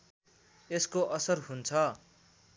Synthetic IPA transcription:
eskoʔʌsʌrɦunt͡sʰʌ

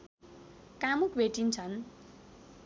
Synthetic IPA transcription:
kamukbʱeʈint͡sʰʌn

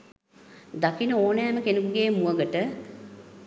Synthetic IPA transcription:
d̪akinəoːnɛːməkenukuɡeːmuəɡəʈə

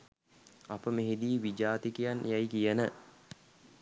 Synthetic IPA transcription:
apəmeɦid̪iːʋid͡ʒaːt̪ikijanjajkijənə

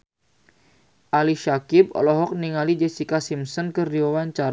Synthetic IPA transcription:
ʔaliʃakɪb̚ɔ̰lɔɦɔk̚niŋalid͡ʒɛsikasimsɔnkəriɔwaɲt͡ʃaɾ

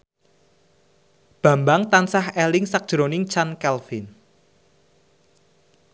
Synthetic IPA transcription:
b̥ä̤mbaŋt̪ansahɛlɪŋsak̚d̥ʒ̥ɾonɪŋt͡ʃankɛlfɪn

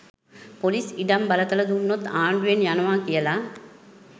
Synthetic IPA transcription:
poliːsɪɽɐmbɐlɐt̪ːɐlɐðunːot̪aːɳɖujenjɐnɐʋaːkɪjɐlaː

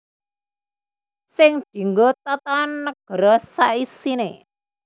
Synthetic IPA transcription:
sɪŋ̥ʒ̥i̤ŋɡot̪ɔt̪ɔnːəɡ̥ə̤ɾɔsaisine

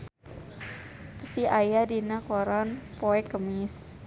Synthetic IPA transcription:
pəsiajadinakɔɾɔnpoɛkəmis

